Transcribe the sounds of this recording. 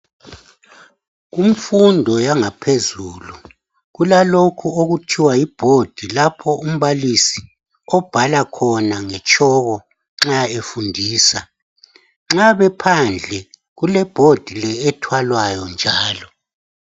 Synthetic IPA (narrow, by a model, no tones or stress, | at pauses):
ɣum̩fundʱɔjaŋapʰezuːlu | ɣulalokʰuoɣutʰiwajib̥ʱod̥ʱilapʰɔum̩βalisi̥ | ɔb̥ʱalakʰɔnaŋɛt͡ʃʼɔɣɔ | ŋ͡ǁaefundʱiːsa | ŋ͡ǁaβɛpʰand͡ɮʱɛ | ɣulɛb̥ʱod̥ʱilɛːtʰwalwajɔnd͡ʒʱaːlɔ